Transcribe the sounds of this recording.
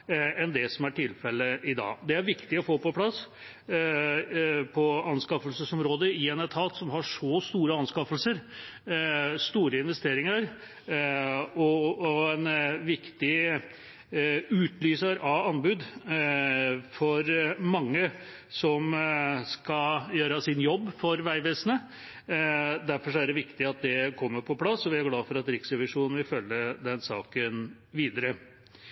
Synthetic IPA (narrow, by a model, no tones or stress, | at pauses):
ɛnd̪ɛsɔmæʈʰɪlfɛləʔɪd̪ɑ̰ːd̪ɛæɾʋɪkt̪ɪɔfoːpɔpʰlɑsː | pʰɔɑnskɑfəlsəsɔmɾoːd̪əɪɛnɛt̪ʰɑlt̪sɔmɦɑʂɔst̪uːɾəɑnskɑfəlsəɾ | st̪uːɾəɪnʋɛst̪eːɾɪŋəɾ | ɔɛnʋɪkt̪ɪ | ʉːt̪lyːsɑɾɑʋɑnbʉːd̪ | fɔɾmɑŋːə | sɔmskɑjøːɾəsɪnjɔbːfɔɾʋæɪʋeːsənə | d̪æɾfɔʂɔæɖɛʋɪkt̪ɪɑt̪̚d̪ɛkʰɔmːəɾpʰɔpʰlɑsːɔʋɪæɾɡlɑːfɔɾɑt̪ɾɪksɾɛʋɪʂuːnənʋɪlfœlːəd̪ɛnsɑːkən | ʋiːd̪əɾə